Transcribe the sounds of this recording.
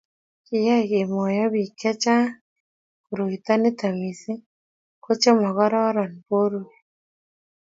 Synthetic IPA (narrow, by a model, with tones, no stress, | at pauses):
kɪ˨ja˦ɣe˨mɔ˨jɔ˦bi˨kɛ˦t͡ʃa˦ | ku˨ɾo˨i˨t̪a˦nɪ˦t̪a˨mi˨si˦ | ko˦t͡ʃe˦ma˨ɣɔ˦ɾɔ˦ɾɔ˨npo˦ɾu˦e˨